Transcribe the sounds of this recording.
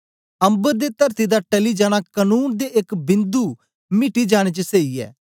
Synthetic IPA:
ɐ̃mbəɾd̪et̪ɐɾt̪id̪aʈɐlid͡ʒaːɽ̃akɐnuːnd̪eʔekbɪ̃nd̪u | mɪʈid͡ʒaːɽ̃et͡ʃəseːiɛ̰ː

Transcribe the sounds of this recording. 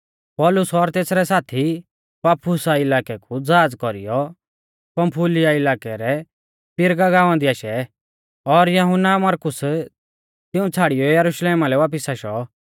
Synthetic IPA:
pɔːlʊsɔɾt̪eːsɾɛsaːt̪ʰi | paːpʰʊsaɪlaːkɛkud͡zaːd͡zkɔɾḭjɔ | pɐmpʰʊlɪjaɪlaːkɛɾɛ | pɪɾɡaɡaːʋãnd̪iaːʃɛ | ɔɾjɐɦʊnːamɐɾkʊs | t̪ɪũt͡sʰaːɽɪjɔjɐɾʊʃleːmalɛʋaːp̬ɪsaʃɔ

